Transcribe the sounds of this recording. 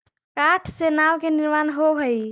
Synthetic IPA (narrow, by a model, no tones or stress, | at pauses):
kaʈʰsenawkeniɾmanɦoɦəj